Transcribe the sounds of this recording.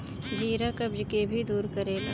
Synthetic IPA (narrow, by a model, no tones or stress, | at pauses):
d͡ʒiːɾakəbd͡ʒkebʱid̪uːɾkəɾeːt̪